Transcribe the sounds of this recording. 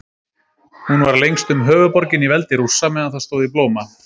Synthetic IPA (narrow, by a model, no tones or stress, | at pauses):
hunvaɾlejŋst̪ʏmɦœːvʏpɔɾcɪnivɛlt̪ɪɾusːamɛːðaθast̪oːwðiploːwma